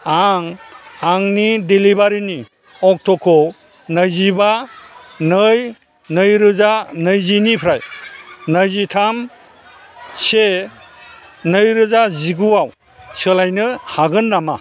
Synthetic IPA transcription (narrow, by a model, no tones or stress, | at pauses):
aŋaŋnidilibaɾini | ɔk̚tʰɔkʰːɔ | nɯjziba | nɯj | nɯjɾɯzanɯjzinipʰɾajnɯjzitʰam | se | nɯjɾɯzaziɡuaw | sɯlajnɯhaɡɯnːama̰